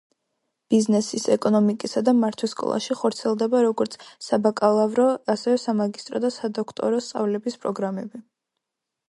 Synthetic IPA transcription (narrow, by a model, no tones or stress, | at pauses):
b̥iznɛsisɛkʼɔnɔmikʼisad̪amaɾt̪ʰwiskʼɔ̰lˠa̰ʃiχɔɾt̪sʰiɛlˠd̪ɛbaɾɔɡɔɾt̪sʰsabakʼalˠavɾɔasɛvɛsamaɡist̪ʼɾɔd̪asad̪ɔkʰt̪ʼɔ̰ɾɔst̪sʼa̰vlɛbispʼɾɔɡɾamɛbi